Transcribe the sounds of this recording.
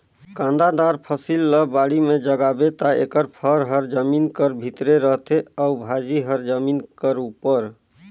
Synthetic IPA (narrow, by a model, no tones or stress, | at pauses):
kãnd̪ad̪aɾpʰəsilːəbaɽimed͡ʒəɡabet̪aḛkəɾpʰəɾɦəɾd͡ʒəminkəɾbʱit̪ɾeɾəɦt̪ʰeaubʱad͡ʒiɦəɾd͡ʒəminkəɾupəɾ